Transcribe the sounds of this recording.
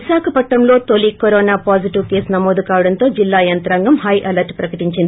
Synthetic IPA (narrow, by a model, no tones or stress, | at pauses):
isaːkʰɐpɐʈːɐmlo̞ːt̪olikoɾoːnaːpaːd͡ʒiʈiʋke̞ːsnɐmoːd̪ukaːʋɐɽɐnt̪o̞ːd͡ʒilːaːjɐnt̪ɾaːŋɡɐmhɐjʔɐlɐɾʈpɾɐkɐʈiɲt͡ʃind̪ii